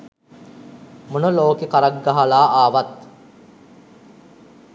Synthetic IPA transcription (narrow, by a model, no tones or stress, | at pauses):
munəloːkekaɾaɡːaɦalaːʔaːʋat̪